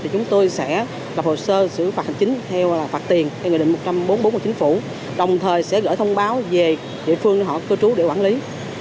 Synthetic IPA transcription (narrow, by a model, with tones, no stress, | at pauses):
t̪ʰi˨˩t͡ɕʊ˨˦ŋ͡mt̪o˧jsɛ̰˧˥ | la˨˩p̚ho˨˩səː˧sɨ̰˧˥faː˨˩t̚ha˨˩ŋ̟t͡ɕï˨˦ŋ̟t̪ʰɛ˧wlaː˨˩faː˨˩t̚t̪i˨˩ənt̪ʰwɗ̰mo˨˩t̚t͡ɕa˧mɓo˨˦nmo˨˦nmɨ˨˩t͡ɕi˨˦ŋ̟fṵ˧˩˨ | ɗə˨˩wŋ͡mt̪ʰəː˨˩jsɛ̰˧˥ɣə̰ː˧˥jt̪ʰə˧wŋ͡mɓaː˨˦wve˨˩ | ɗḭ˧˨əfɨ˧əŋn˧˩ɦɔ̰˧˨kɨ˧t͡ɕu˨˦ɗḛ˧˩kwaː˧˩nli˨˦